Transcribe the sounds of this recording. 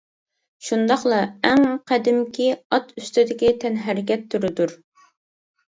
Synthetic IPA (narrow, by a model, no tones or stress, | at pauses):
ʃund̪ɑχlˠɑæŋqʰæd̪ɪmkʲiɑt̪ʰyst̪ɪd̪ɪkʲit̪ʰɛnɦæɾɪkʲɛt̪ʰːuɾɪd̪uɾ